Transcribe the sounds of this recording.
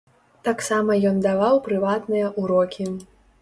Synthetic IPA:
t̪aksamɐjɔnd̪avawpɾɨvat̪nɨjɐʔuɾɔkʲʰi

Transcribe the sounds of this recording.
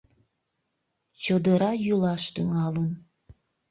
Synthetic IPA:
t͡ɕod̪əɾɑjulɑʃt̪yŋɑlən

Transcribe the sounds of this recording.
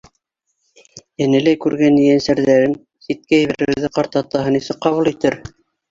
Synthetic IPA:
jæ̆nɘ̆læjkʉɾɡænĭjænsæɾðæɾɘn | sit̪̚kæɘ̆βæɾɘ̆wðɘqɑɾt̪ɑt̪ɑɦɤnisɘk̚qɑβulˠit̪ɘɾ

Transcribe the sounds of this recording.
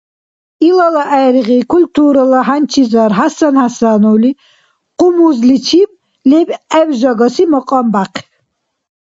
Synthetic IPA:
ilɔlaʔɛɾʁikʰult̪ʰuɾalaɦant͡ʃʰizaɾɦasanhasanuwli | qʼumuzlit͡ʃʰim | lɛbɛbʒɔɡɔsimɔqʼɔmbaqʰ

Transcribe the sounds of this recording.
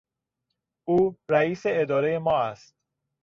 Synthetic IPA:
uːɾæiːse̞ed̪ɒːɾe̞je̞mɒːæst̪̚

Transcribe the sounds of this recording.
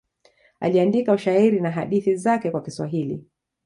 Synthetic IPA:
a̰liandikauʃaiɾinaɦaɗiθizakɛkwakiswa̰ɦilḭ

